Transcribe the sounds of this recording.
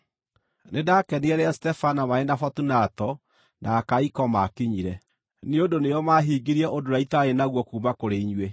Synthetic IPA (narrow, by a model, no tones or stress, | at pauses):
nenakɛniɛɾɛastɛfanamaenafɔtunatɔ | nʔaːkaikɔmakiɲiɾɛ | neondonejɔmaɦiːɡiɾiɛʔodoɾaitaɾenaɣwɔkuːmakoɾeiɲwe